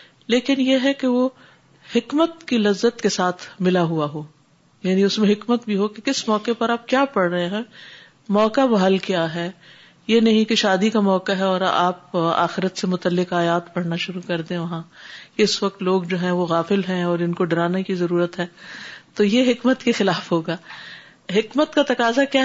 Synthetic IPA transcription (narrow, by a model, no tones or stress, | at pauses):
leːkɪnjeɦɛkeʋo | hɪkmət̪kilɐzːət̪kesaːt̪ʰmɪlaɦuaɦoː | jaːniʊsmẽɦɪkmət̪bʱiɦokekɪsmɔːkepɐɾaːp̚kjaːpɐɽɾəɦẽɦɛ̃ː | mɔːkabɐɦəlkijaːɦɛː | jenɐɦĩkeʃaːd̪ikamɔːkaɦɛɔːɾa̰ːpa̰ːxɪɾət̪semʊt̪əlːɪkaːjaːt̪pɐɽnaʃʊɾukɐɾd̪ẽʋɐɦãkeɪsʋɐk̚t̪loːɡd͡ʒoːɦɛ̃ʋoɣaːfɪlɦɛ̃ɔːɾɪnkoɖɐɾaːnekizɐɾuːɾət̪ɦɛːt̪oːjeɦɪkmət̪kexɪlaːfɦoːɡaː | ɦɪkmət̪kat̪ɐkaːzakjaː